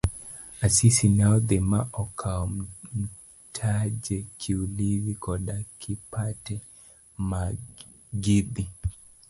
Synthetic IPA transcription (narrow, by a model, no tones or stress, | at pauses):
asisinawdemaʔɔkʰamm̩ | tʰad͡ʒɛkʰilivikɔɗakʰipʰatɛ | ma | ɡidi